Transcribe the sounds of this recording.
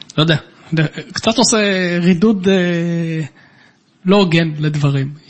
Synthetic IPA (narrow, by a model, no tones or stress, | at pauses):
lojod̪ea | lekt͡sat̪oseʁid̪ud̪e | loːɡenled̪vaʁim